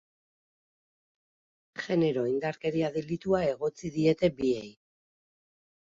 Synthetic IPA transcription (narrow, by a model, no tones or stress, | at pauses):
ʝe̞ne̞ɾo̞ind̪aɾke̞ɾiaðelit̪uae̞ɣ̞o̞t͡siðie̞t̪e̞bie̞j